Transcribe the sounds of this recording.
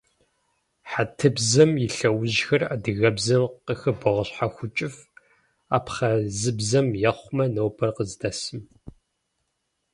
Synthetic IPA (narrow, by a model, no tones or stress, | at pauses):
ħatʰɨbzɐmjɪɬɐwʊʑxɐraːdɨɣɐbzɐmqəxɨbɐʁəɕħaxʷʊt͡ʃʼɪf | aːpχɐzɨbzɐmjɛχʷʊmɐnowbʰɐrqəzdɐsɨm